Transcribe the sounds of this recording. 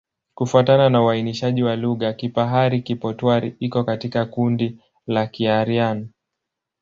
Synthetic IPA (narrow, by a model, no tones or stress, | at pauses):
kufuatananauainiʃaʄiwaluɣakipaɦaɾikipɔtwaɾiikɔkatikakundi | lakiaɾianɔ